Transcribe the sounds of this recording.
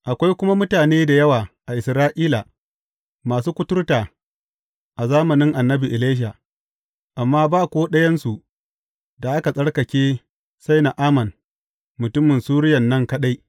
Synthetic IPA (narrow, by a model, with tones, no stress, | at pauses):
ʔa˨kʷa˦jkʷʊ˦ma˦mʊ˦taː˨neː˦da˨jɐ˦waː˨ʔa˨ʔɪ˨sɾaː˦ʔiː˦la˨ | maː˨s̬uː˦kʷʊ˦tʊ˦rtaː˨ | ʔa˨zaː˦mɐ˨nɪ˦ŋʔa˨nːɐ˦bi˨ʔɪ˨leː˦ʃ̬a˨ | ʔa˨mːaː˦baː˦˨kʷoː˦ɗɐ˦jɐ˦nsu˨ʔ | da˨ʔa˦ka˨sʼɐ˦ɽkɐ˨kʲeː˦ | sa˦jna˨ʔaː˦mɐ˨n | mʊ˨tʊ˦mːɪ˨nsuː˦ɾɪ˦jɐ˨nːɐ˦ŋkɐ˦ɗa˦j